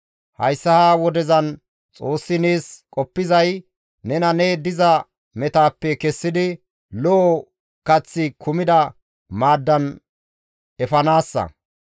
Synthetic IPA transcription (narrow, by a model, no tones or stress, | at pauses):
hɐ̰jsːɐhaːwɔd̪ɛzɐn | t͡sʼo̞ːsːɪneːskʼɔpːɪzɐj | nɛnɐned̪ɪzɐ | mɛt̪aːpːɛkɛsːɪd̪ɪ | lɔ | kɐt͡sːɪkʰʊmɪd̪ɐ | maːd̪ːɐn | ɛfɐnaːsːɐ̰